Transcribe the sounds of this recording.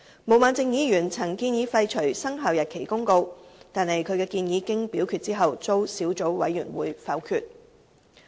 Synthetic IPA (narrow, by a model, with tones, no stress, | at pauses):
mo˨˩wmaː˨˧nt͡sɪ˨˧ŋjiː˨˧jyː˨˩nt͡sʰɐ˨˩ŋkiː˧njiː˨˧fɐ˧jt͡ʃʰɵ˨˩ɥsɐ˥ŋɦaː˨wjɐ˨t̚kʰe˨˩jkʊ˥ŋko˧wt̪aː˨nhɐ˨jkʰɵ˨˧ɥkɛː˧kiː˧njiː˨˧kɪ˥ŋpiː˨˥wkʰy˧t̚t͡siː˥ɦɐ˨wt͡so˥wsiː˨˥wt͡so˨˥wwɐ˨˥jːyː˨˩nwuː˨˧˥jfɐ˨˥wkʰyː˧t̚